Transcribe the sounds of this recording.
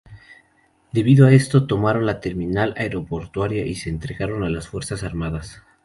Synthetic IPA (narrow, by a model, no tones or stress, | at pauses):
d̪e̞βiðoae̞st̪o̞t̪o̞maɾo̞nlat̪e̞ɾmĩnalaeɾo̞po̞ɾt̪waɾjaʔise̞ːnt̪ɾe̞ɣaɾo̞nalasfwe̞ɾsasaɾmaðas